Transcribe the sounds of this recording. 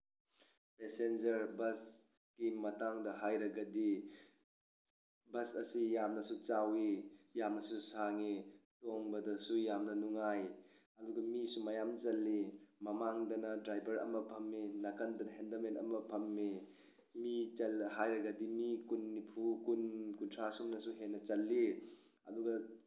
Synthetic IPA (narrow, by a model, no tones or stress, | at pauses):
pesend͡ʒɐɾbɐs | kimɐtaŋdɐɦajɾɐɡɐdi | bɐsɐsijamnɐsut͡ʃawijamnɐsusaŋitoŋbɐdɐsujamnɐnuŋaj | ɐduɡɐmisumɐjamt͡ʃɐlːimɐmaŋdɐnɐdɾajbɐɾɐ̰mɐpʰɐmːinɐkɐndɐnɐɦendɐmenɐ̰mɐpʰɐmːi | mit͡ʃɐlhajɾɐɡɐdimikunːipʰukunkuntʰɾasumnɐsuɦenːɐt͡ʃɐlːi | ɐ̰duɡɐ